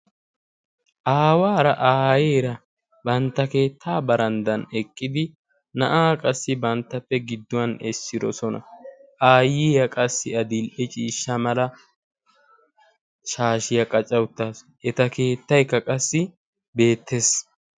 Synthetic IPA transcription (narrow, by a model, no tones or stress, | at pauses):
ʔaːwaːɾɐʔaːjeːɾɐ | bɐnt̪ːɐke̞ːt̪ʰːaːbɐɾɐnd̪ɐnɛkʼːɪd̪ɪ | nɐʔaːkʼɐsːɪbɐnt̪ːɐpːɛɡɪd̪ːʊwɐnɛsːɪɾɔsɔnɐ̰ʔaːjiːjɐkʼɐsːɪɐd̪ɪlʔɛt͡ʃʼiːʃːɐmɐlɐ | ʃaːʃɪjɐkʼɐt͡ʃʼːɐwʊt̪ːaːs | ʔɛt̪ɐke̞ːt̪ːɐjkːɐkʼɐsːɪ | be̞ːt̪ʰːe̞s